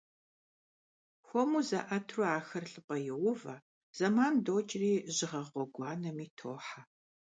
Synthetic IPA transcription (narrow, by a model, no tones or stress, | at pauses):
xʷɔmuzɐ̰ʔɐtʰruaːxɐrɬʼɨpʼɐjɛwʊvɐ̰ | z̥ɐmaːndoːt͡ʃʼriːʑɪʁɐʁʷɔɡʷɑːnɐmiːtʰoːħa